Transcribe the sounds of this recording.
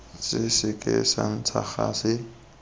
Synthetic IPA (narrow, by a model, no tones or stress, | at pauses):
t͡sʼɪsɪkʼɪsan̩t͡sʰaχaːsɪ